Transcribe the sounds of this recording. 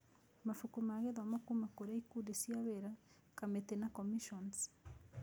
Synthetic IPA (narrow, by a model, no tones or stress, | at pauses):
mafukumaɣeðamakumakoɾaikudesjaβeɾa | kametenakomiʃons